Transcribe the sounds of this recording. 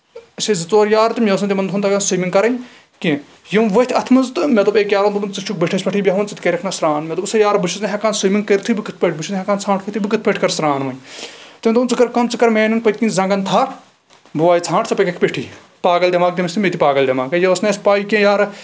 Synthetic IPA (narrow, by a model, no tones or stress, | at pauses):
ɐsezɨt͡soːɾjaːɾt̪ɨmʲeʋs̬ɐnt̪imɐnd̪ɦunt̪ɐkaːnsɨmiŋkɐɾɐj | kẽ | jɐmʋɐt̪ʰʲɐt̪ʰmɐnzt̪ɨmʲet̪ubeːkjaːɾɐnt̪ːmumt͡sɨt͡ʃʰuk̚beʈʰɐsʲpɐʈʰiːbjɐɦʋɐnt͡sɨt̪ʰkɐɾɐkʰnasɾaːnmʲet̪ubsɐjaːɾbɨt͡ʃʰuznɦekaːnsumiŋkeɾt̪ʰɨːbɨkɨt̪̚ʰpʲeʈ̚ʰbɨt͡ʃʰuzɦekaːnt͡sʰãːʈʰkʰːt̪ibɨkɨt̪̚ʰpeʈʰkɐɾsɾaːnʋɐɲt̪ɨmʲt̪ːmt͡sɨkɐɾkɐmt͡sɨkɐɾmeːnunpət̪̚ʰʲkinzɐ̃ŋɡɐnt̪ʰaːɾ | buʋaːjt͡sʰãːɳʈʰt͡sɐpɐkɐkʰʲpʲeʈʰiː | paːɡɐld̪ʲɐmaːk̚d̪ʲimɐst̪ʰmʲet̪ipaːɡɐld̪ʲɐmaːkɐjɐʋɐsneːsʲpaːjikʲẽːjaːɾ